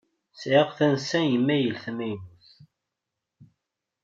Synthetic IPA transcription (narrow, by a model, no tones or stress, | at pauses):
sʕeʁθænsæjəmːæjəlθmæjnuθ